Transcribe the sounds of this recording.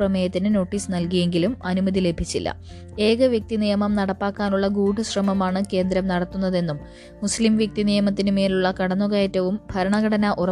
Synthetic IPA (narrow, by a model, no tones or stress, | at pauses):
rɐmɐjɐt̪ːinɨno̞ːʈːiːsnɐlkije̞ŋɡilumɐnumɐðile̞bʱit͡ɕːilːɐ̰ | e̞ːɡɐʋjɐk̚t̪inijɐmɐmnɐɽɐpːaːkːaːnuɭːɐɡuːɖɨɕrɐmɐmaːɳɨke̞ːnd̪ɾɐmnɐɽɐt̪ːunːɐðe̞nːum | muslimʋjek̚t̪inijɐmɐt̪̬ːinɨmeːluɭːɐkɐɽɐnːuɣɐːjɐtːɐʋumbʱɐɾɐɳɐɡɐɽɐnɐʔurɐ